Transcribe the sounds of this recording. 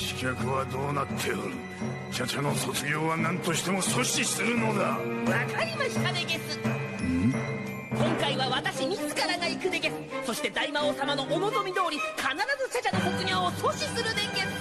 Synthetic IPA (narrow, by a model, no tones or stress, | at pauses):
ɕi̥kʲakɯ̟βad̪o̞ːnat̪ʰːe̞oɾi | ɕat͡ɕano̞so̞t͡sɨɡʲo̞ːβanãnt̪o̞ɕi̥t̪e̞mo̞so̞ɕisɨɾɯ̟no̞ɡaβakaɾʲimaɕi̥t̪ad̪eɡesɨɯ | kõ̞ŋkaiβaβat̪aɕiɲʲit͡sɨ̥kaɾaɡaikɯ̟d̪e̞ɡe̞sɨ̥so̞ɕi̥t̪e̞d̪aimaosamano̞ʔomo̞t̪o̞mʲid̪o̞ːɾʲikʰanaɾazɨɕat͡ɕano̞kokɯ̟ɲʲo̞ːoso̞ɕisɨɾɯ̟d̪e̞ŋɡe̞sɨ̥